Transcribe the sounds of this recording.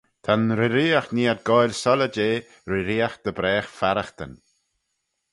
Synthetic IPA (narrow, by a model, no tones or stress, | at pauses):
t̪ʰanɾɪɾiːaxniːad̚ɡɔjlsɔləd͡ʒeː | ɾɪɾiːaxd̪̥əbɾɛːxfaɾaxt̪ə̰n